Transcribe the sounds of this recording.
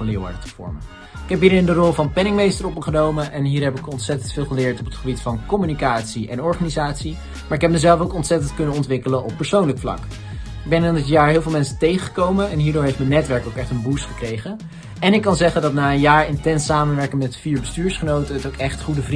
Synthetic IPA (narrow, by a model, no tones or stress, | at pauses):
lɪːɹʋa̰ːdətə̥v̥ɔ̰ɹmə | ɪkɛp̚bɪnəɪndərɔlˠvɑnpɛnɪŋmejstərɔp̚məχənowməʔɛnɦiːɹɦɛpɪkɔntsɛtəntfɪːlˠχəlɪːɹtɔpətχəbitfɑnkɔmynikaːtsiʔɛnɔɹχanizaːtsi | maːɹɪkɦɛp̚məzɛlˠfowkɔntsɛtəntkɵnənɔntʋɪkələʔɔpːəɹsownləkflɑ̰k | ɪɡ̚bɛnandɪtjaːɹɦɪlˠvɪlˠmɛnsətejχəχə̥kowmənɛnɦiːɹdʊːɹɦejftmənːɛtʋɛɹkowkɛχtənbusχəkrejχə | ɛnɪkːɑnzɛχəndɑtnaːənjaːɹɪntɛnsaːmənʋɛɹkəmɛtfiːɹbəstyːɹsχənowtəətowkɛχtχudəvri